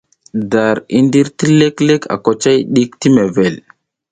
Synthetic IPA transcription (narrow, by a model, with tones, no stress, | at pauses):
da˨ɾi˦ndi˦ɾti˦le˦kle˦kʰa̰˨ko˨t͡ʃa˦jɗi˦kti˦me˨ve˨l